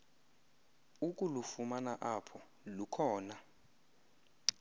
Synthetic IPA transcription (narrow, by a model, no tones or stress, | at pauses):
ukʼulufumanaʔapʰɔ | lukʰɔːna